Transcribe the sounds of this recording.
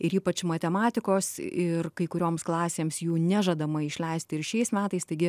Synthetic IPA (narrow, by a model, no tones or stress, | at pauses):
ɪɾiːpɐt͡ʃmɐt̪ʲɛmɑːt̪ʲɪkoːsɪrkɐɪkʊɾʲoːmsklˠɑːsʲeːmsjuːnʲæʒɐd̪ɐmɐɪʃʲlʲɛɪsʲt̪ʲɪɾʃʲɛɪsmʲæːt̪ɐɪst̪ɐɪɡʲɪ